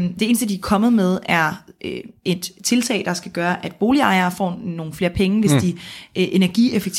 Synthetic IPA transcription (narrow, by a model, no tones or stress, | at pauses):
d̥e̝e̝ːn̩sd̥əd̥iæɐkʰɒ̽mð̞̩ˠmeð̞ˠæɐøe̝d̥t͡sʰe̝lt͡sʰɛ̰ɪd̥ɑ̈sɡ̥æɡ̥ɶːɐʔæd̥̚b̥o̝ːliɑ̈ɪɐːfɒ̰ːno̝ːn̩fle̝ːɐpʰeŋəʋe̝sd̥iʔʔe̝næɐɡ̥ḭefeɡ̥̚t͡sʰ